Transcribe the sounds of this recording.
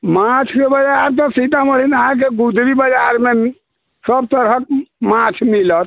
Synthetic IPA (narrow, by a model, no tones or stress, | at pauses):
mat͡ʃʰkebəd͡ʒaɾt̪ɔsit̪aməlinaɦãk̬eɡud̪ʱɾibəd͡ʒaɾme | səb̚t̪əɾɦək̚mat͡ʃʰmilət̪̚